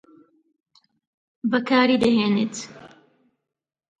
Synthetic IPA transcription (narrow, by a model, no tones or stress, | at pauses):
bɐkʰaːɾiːd̪ɐɦeːnet̪